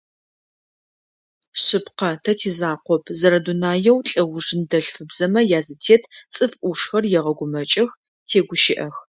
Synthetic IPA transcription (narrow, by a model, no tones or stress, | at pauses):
ɕɪpqɐtʰɐtʰiːzaːqʷɔpʰzɐɾɐdunaːjɛwɬʼɐwʊʐɨndɐɬfɨbzɐmɐjaːzɨtʰeːtʰt͡sʼɨfʔuʂxɐrjɛʁɐɡʷʊmɐt͡ʃʼɐx | tʰeːɡʷʊʃɪʔɐx